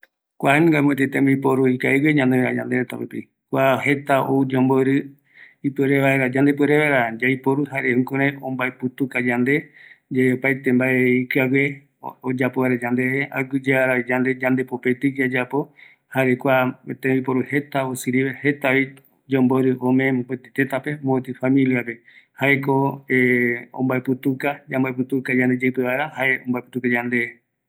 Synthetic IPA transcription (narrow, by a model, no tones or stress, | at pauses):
kʷaeñŋɡamũet̪et̪ẽmbipoɾuikaeɡweɲãnd̪eɾa̰d͡ʒã̰nd̪eɾet̪apipḭ | kʷaɦet̪aoud͡ʒomboɾɨ | ipeɾeβʋaeɾad͡ʒand̪ep̬ɨeɾeʋaeɾad͡ʒajpoɾuɦaɾehũkõɾeõmbaeput̪ukad͡ʒand̪e̞d͡ʒaeopajt̪embaeikɨaɡe | od͡ʒapoβaɾed͡ʒand̪eea̰ɡɨd͡ʒeaɾaid͡ʒand̪e̞d͡ʒand̪e̞popet̪ɨd͡ʒad͡ʒapo̞ | haɾekʷat̪ẽipoɾuhe̞t̪aosɨɾiβehe̞t̪aβi | d͡ʒomboɾɨʔõmẽmpet̪et̪et̪ape̞mõet̪ɨfamĩliape̞haekoeõ̰mbaeput̪ukad͡ʒambaeput̪ukad͡ʒãnd̪ed͡ʒeɨpeβaeɾahaeõ̰mbaeput̪ukad͡ʒand̪e